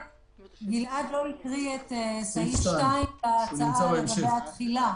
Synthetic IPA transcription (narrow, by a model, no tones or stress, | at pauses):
ɡiladloikʁiet̪esaitʃtaimbaːt͡saʔaeɡabeat̪χila